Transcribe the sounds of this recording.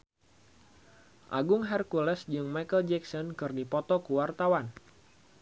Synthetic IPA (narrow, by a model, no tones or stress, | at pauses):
ʔa̰ɡʊŋɦɛrkulɛsd͡ʒɨŋmajkəld͡ʒɛksɔnkɨrdipɔt̪ɔkəwart̪awan